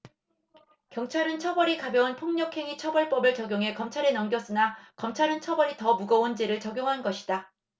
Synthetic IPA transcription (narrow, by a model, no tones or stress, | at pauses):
kjʌŋt͡ɕʰaɾɯnt͡ɕʰʌbʌɾikabjʌunpʰoŋɲʌkʰe̞ŋit͡ɕʰʌbʌɭp͈ʌbɯɭt͡ɕʌɡjoŋɦe̞kʌmt͡ɕʰaɾe̞nʌmɡjʌs͈ɯnakʌmt͡ɕʰaɾɯnt͡ɕʰʌbʌɾitʌmuɡʌond͡ʑeɾɯɭt͡ɕʌɡjoŋɦanɡʌɕʰi̥d̥a